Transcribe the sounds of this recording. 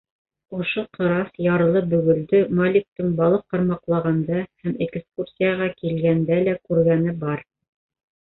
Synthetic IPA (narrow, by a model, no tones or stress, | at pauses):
ŏʃoqʰɤ̆ɾɑsjɑɾɤ̆lˠɤbɵ̆ɡɵ̆ld̪ɵmolʲik̚t̪ɤŋbɑlˠɤq̚ːɑ̆ɾmɑqlˠɑʁɑnd̪ɑhæmekskursʲijaʁɑkilɡænd̪ælækʉɾɡænɘbɑɾ